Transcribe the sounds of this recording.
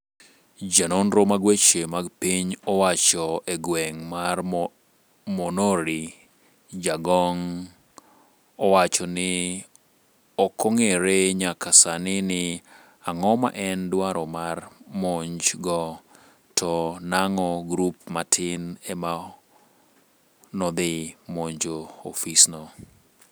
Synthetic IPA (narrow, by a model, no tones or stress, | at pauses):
d͡ʒanonɾomaɡwet͡ʃemaɡpiɲɔwat͡ʃɔeɡwɛŋmar | monoɾi | d͡ʒaɡɔŋ | ɔwat͡ʃɔnɪ | ɔkɔŋeɾeɲakasanɪnɪ | aŋɔma̰ʔɛndwaɾɔmarmoɲd͡ʒɡɔ | tʰɔnaŋɔɡɾupmatʰɪnɛma | nɔd̪ɪmoɲd͡ʒoofisnɔ